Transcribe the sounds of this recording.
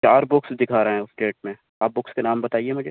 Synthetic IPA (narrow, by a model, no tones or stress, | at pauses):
t͡ʃaːɾbʊksd̪ɪkʰaːɾɦɛ̃ʊsɖeːʈ̚mẽ | aːp̚bʊkskenaːmbɐt̪aːiemʊd͡ʒʱeː